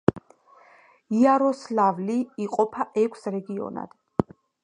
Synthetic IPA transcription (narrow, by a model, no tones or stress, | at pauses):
iaɾɔslavliːqʼɔpʰaʔɛkʷʰsɾɛɡiɔ̰na̰d̪̥